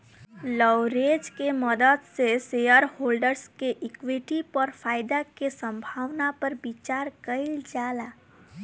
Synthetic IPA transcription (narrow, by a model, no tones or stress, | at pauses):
lɔʊɾed͡ʒkeməd̪əd̪sesejəɾhoːlɖəɾskeʔɪkwiʈipɔɾfʰaːɪd̪akesə̃mbʱaːʋnapəɾbit͡ʃaːɾkəɪld͡ʒaːla